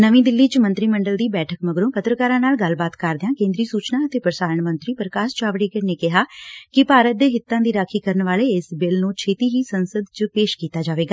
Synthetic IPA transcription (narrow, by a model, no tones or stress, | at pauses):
nəʋĩːd̪ɪlːiːt͡ʃmə̃nt̪ɾiːməɳɖəld̪iːbɛːʈʰəkməɡɾõːpət̪ɾəkaːɾãːnaːlɡəlbaːt̪kəɾd̪eãːkẽːnd̪ɾiːsuːt͡ʃnãːət̪eːpɾəsaːɾəɳmə̃nt̪ɾiːpəɾəkaːst͡ʃaːʋɽeːkəɽneːkɪɦaːkɪpaːɾət̪̚d̪eːɦɪt̪ːãːd̪iːɾaːkʰiːkəɾənʋaːleːɪsbɪlnũːt͡ʃʰeːt̪iːɦiːsənsəd̪t͡ʃpeːʃkiːt̪aːd͡ʒaːʋeːɡaː